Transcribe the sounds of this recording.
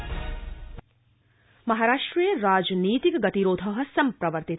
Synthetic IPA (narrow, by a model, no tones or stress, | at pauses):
mɐɦaɾaːʂʈɾɐjeɾaːd͡ʒniːt̪ikɐɡɐt̪iɾoːd̪ʱɐʋɐɦɐsɐmpɾɐʋəɾt̪it̪